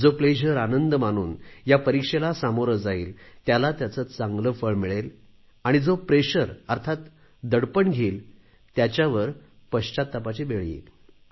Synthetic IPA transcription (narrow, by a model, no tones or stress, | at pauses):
d͡zopɾeɕəɾanənd̪əmañṵːnjapəɾikʂelasamoɾəd͡zaiːlt̪jalat̪jat͡sət͡st͡saŋɡləfəɭmiɭel | aɽ̃id͡zopɾeɕəɾəɾt̪ʰat̪ | d̪əɽpəɳɡʱeːl | t̪jat͡ɕjaʋəɾpəɕt͡ɕat̪ːapat͡ɕibeɭjḭːl